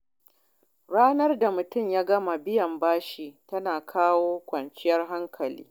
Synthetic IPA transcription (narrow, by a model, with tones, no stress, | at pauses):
ɽaː˦nɐ˦rda˨mʊ˨tʊ˦˨mjaː˦ɡɐ˦ma˨bɪ˦jɐ˨mbaː˦ʃi˨tɐ˦naː˨kʰaː˦woː˦kʷɐ˨nt͡ʃɪ˦jɐ˦rɦa˦ŋkʰɐ˨lḭː˦